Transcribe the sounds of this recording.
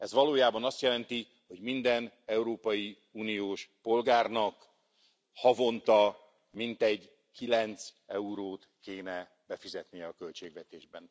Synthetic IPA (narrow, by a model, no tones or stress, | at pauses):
ɛzʋɒloːjaːbɒnɒst̪jɛlɛnt̪i | ho̞ɟmind̪ɛnɛuɾoːpɒji | uːnijoːʃpo̞lɡaːrnɒk | hɒvo̞nt̪ɒ | mint̪ɛɟ | kilɛnt̪sɛuɾoːt̪keːnɛ | bɛfizɛt̪nijɛɒkølt͡ʃeːɡʋɛt̪eːʒbɛn